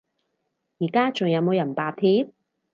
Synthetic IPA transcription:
jiː˨˩kaː˥t͡sʊ˨ŋjɐ˨˧wmo˨˧wjɐ˨˩npaː˨t̪ʰiː˥p̚

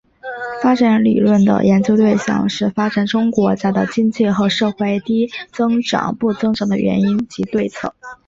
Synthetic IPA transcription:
fa˥ʈ͡ʂa˧˥nlḭ˨˩lwə˥˩nd̪ə̰˩jʔɛ˧˥nt͡ɕjo˥ʊt̪we˥˧ɪɕjɑ̰˨˩ŋʂɻ̩˥˩fa˥ʈ͡ʂa˨˩nʈ͡ʂʊ˥ŋkwɔ˧˥t͡sa˥˧ɪt̪ɑ˥˧˩t͡ɕi˥nt͡ɕi˥˩xɤ˧˥ʂɤ˥˧xwe˥˧ɪt̪i˥t͡sɤ˥ŋʈ͡ʂɑ̰˨˩˦ŋpu˥˩t͡sɤ˥ŋʈ͡ʂɑ˨˩ŋd̪ə̰˧ɥʔɛ̰˧˥ni˥nt͡ɕi˧˥t̪we˥˧ɪt͡sʰɤ̰˥˩

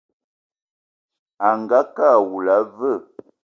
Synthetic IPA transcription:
a˨ŋɡa˨˦ka˦˨wu˨la˨˦və˦˨

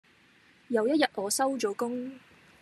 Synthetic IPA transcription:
jɐ˨˧wjɐ˥t̚jɐ˨t̚ʔɔː˨˧sɐ˥wt͡ʃo˨˧wkʊ˥ŋ

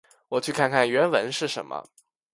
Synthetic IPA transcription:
wɔ˨˩t͡ɕʰy˥˧kʰa˥˧nkʰa˥˩nɥɛ˧˥nwə˧˥nʂɻ̩˥˩ʂə̰˧˥nmə̰˧

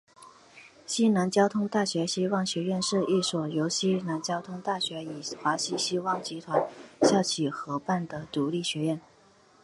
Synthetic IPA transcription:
ɕi˥na˧˥nt͡ɕjɑ˥ʊt̪ʰʊ˥ŋt̪a˥˩ɕɥɛ˧˥ɕi˥wɑ˥˩ŋɕɥɛ˧˥ɥɛ˥˧nʂɻ̩˥˧i˥˩swɔ˨˩jo˧˥ʊɕi˥na˧˥nt͡ɕjɑ˥ʊt̪ʰʊ˥ŋt̪a˥˩ɕɥɛ˧˥i˨˩xwa˧˥ɕi˥ɕi˥wɑ˥˩ŋt͡ɕi˧˥t̪ʰwa˧˥nɕjɑ˥˩t͡ɕʰi˨˩xɤ˧˥pa˥˩nd̪ə˩t̪u˧˥li˥˩ɕɥɛ˧˥ɥɛ˥˩n

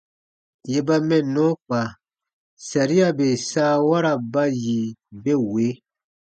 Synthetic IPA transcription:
je˨ba˦mɛ̃˨nːõ˦k͡pa˨ | sa˨ɾi˦a˦˨be˨saː˦wa˦ɾa˨ba˦ji˨be˦we˨˦

